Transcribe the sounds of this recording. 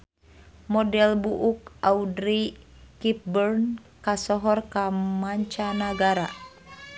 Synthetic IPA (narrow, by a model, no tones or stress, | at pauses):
mɔdɛlbuʔuk̚audɾi | kip̚bɛrn | kasɔɦɔrkamaɲt͡ʃanaɡaɾa